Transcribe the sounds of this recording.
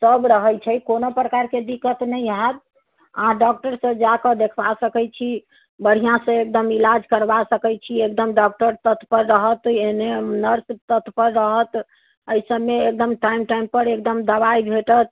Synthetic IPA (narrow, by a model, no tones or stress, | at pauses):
səbɾəɦəjt͡ʃʰɛkonopɾəkaɾked̪ikːət̪nəjɦat̪̚ | əɦãɖɔk̚ʈəɾsə̃d͡ʒakəd̪ekʰbasəkɛt͡ʃʰi | bəɽ̤ijãsə̃ek̚d̪əmilad͡ʒkəɾbasəkɛt͡ʃʰiek̚d̪əmɖɔkʈəɾt̪ət̪ʰːpəɾːəɦət̪enenəɾst̪ət̪ʰpəɾːəɦət̪ | əjsəbːeːk̚d̪əmʈaimʈaimpəɾek̚d̪əmd̪əβaibʱeʈət̪̚